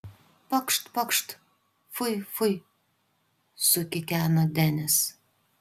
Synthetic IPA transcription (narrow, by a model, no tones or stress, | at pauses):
pɐkʃt̪pɐkʃt̪ | fʊjfʊj | sʊkʲɪkʲæːnod̪ʲɛnʲɪs